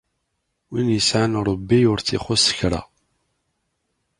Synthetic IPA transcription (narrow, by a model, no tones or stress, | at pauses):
winjəsʕanɾˤəbːiʊɾθiχʊsə̥çɾa̰